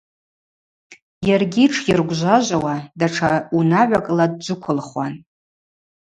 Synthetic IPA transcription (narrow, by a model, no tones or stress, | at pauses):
jarɡʲiʈ͡ʂʰjirɡʷʒʷaʒʷawadaʈ͡ʂʰaunaʕʷakʼlad̚d͡ʒʷʊkʷʰʊlχwa̰n